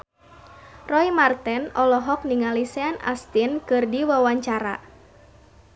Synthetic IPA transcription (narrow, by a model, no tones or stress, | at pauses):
rɔimart̪ɛnɔlɔɦɔk̚niŋalisɛanʔa̰st̪inkɨrdiwawaɲt͡ʃaɾa̰